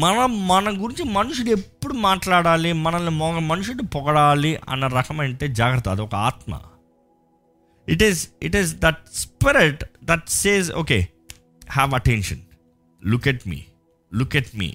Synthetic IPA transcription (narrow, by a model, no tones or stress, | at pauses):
mɐnɐmɐnɐɡuɾiɲt͡ʃimɐnuʂuɽe̞pːuɽumaːʈlaːɽaːlimɐnɐnumɔːɡɐmːɐnuʂuɽupɔɡɐɽaːliʔɐ̰nːɐɾɐkʰɐmɐɳʈeːd͡ʒaːɡɾɐt̪ɐd̪uɔkɐaːt̪mɐ̰ | iʈiziʈizd̪ɐʈ̚spiɾiʈd̪ɐʈseːzo̰ːkḛː | hæʋɐʈenʂɐn | lukɛʈmḭː | lukɛʈmḭː